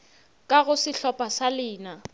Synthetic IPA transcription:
kʼaɣʊsɪɬɔpʼasalɪːna

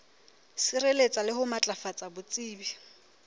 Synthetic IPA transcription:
sɪrelet͡sʼalɪɦʊmat͡ɬʼafat͡sʼabʊt͡sʼiːbi

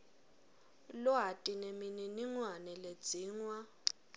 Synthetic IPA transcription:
lʊɦatʼinemininiŋwanɛled̥d͡z̥ʱiːŋwa

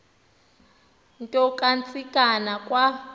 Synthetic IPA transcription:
ntʼɔkʼant͡sʰʼikʼanakʼwa

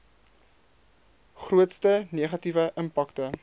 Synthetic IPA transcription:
χruətstəniəχɐtivəʔəmpaktə

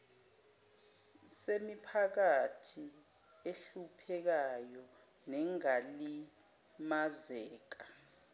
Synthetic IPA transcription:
semipʰak̬atʰi | eɬupʰɛk̬ajɔ | nɛŋali | mazɛːk̬a

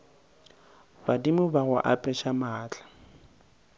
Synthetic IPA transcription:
badimʊbaɣʊ̰ʔapʼɛʃamaːt͡ɬʼḁ

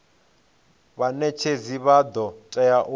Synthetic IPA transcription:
βanɛt͡ʃʰeziβad̪ɔt͡ʃʼɛjaʔu

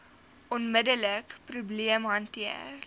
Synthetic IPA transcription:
ʔɔnmədələkpɾubliəmɦɐntiə̰

